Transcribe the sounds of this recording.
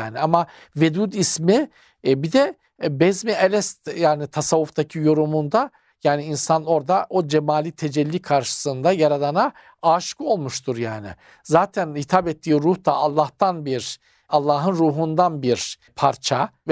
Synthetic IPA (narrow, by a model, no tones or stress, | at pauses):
aːniama | ved̪uːd̪ismi | bid̪ɛ | bɛzmielʲɛst̪jaːnit̪ʰasavuft̪ʰacʰijo̞ɾumund̪a | jaːniinsano̞ɾd̪aʔo̞d͡ʒemaːlʲit̪ʰe̞d͡ʒɛlʲːikʰaɾʃɯ̥sɯnd̪ajaɾad̪ˠana | aːʃkɯo̞lˠmuʃt̪ʰuɾjaːnɪ̰ | zaːt̪ʰænhit̪ʰapɛt̪ʰːiːɾuht̪aʔalˠːaht̪anbiɾ | alˠːaːɦɯnɾuːɦund̪anbiɾ | pʰaɾt͡ʃʰav